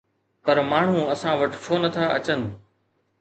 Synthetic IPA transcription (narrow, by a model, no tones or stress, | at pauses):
pəɾmaːɳ̤ũːɐsãːʋəʈt͡ʃʰoːnət̪ʰaːɐt͡ɕənɪ̆